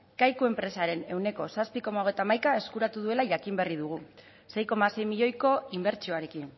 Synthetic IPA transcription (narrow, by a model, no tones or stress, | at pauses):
kajkue̞mpɾe̞saɾe̞ne̞wne̞ko̞saspiko̞maoɣ̞e̞jt̪amajkae̞skuɾat̪uðue̞laʝakimberiðuɣ̞u | se̞jko̞mase̞jmiʎo̞jko̞imbe̞ɾt͡ʃio̞aɾe̞kin